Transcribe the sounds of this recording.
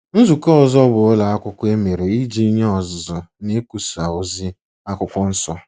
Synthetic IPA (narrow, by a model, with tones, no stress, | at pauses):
n̩˦zu˨kɔ˦ɔ˨zɔ˦bʊ˨ʊ˦la˨a˦kʷʊ˦kʷe˦me˨ɾe˨i˦d͡ʒi˦i˦ɲe˦ɔ˨zzɔ˨ne˦ku˨sa˨o˨zi˦ | a˦kʷʊ˦kʷɔ˦n̩˦sɔ˦